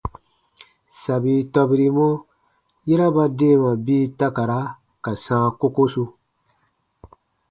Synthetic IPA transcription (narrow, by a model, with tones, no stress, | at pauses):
sa˨bi˦tɔ˧bi˧ɾi˨˦mo˦ | ji˦ɾa˦ba˦de˦˨mã˨bi˦ta˦ka˨ɾa˦ | ka˨sãː˦ko˦ko˦su˦